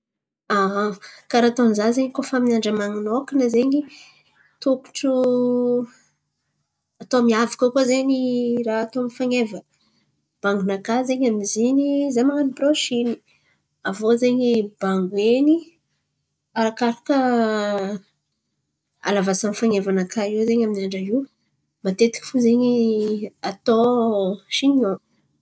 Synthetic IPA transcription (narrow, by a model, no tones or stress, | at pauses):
aɦkaɾat̪oanzazeɲikofaminaɳɖ͡ʐəmaŋunokinazeɲi | t̪uku̥ʈ͡ʂu | at̪omiavakakozeɲiraːt̪oamifaŋevə | b̥aŋɡunakazeɲamizinizamaŋaniproʃini̥ | avozeɲibaŋɡweni | aɾakaɾakə | a̰lavasamifaŋevanakʰaiwzeɲaminiaɳɖ͡ʐaiw | mat̪et̪i̥ki̥fuzeɲi | at̪o | ʃiɲio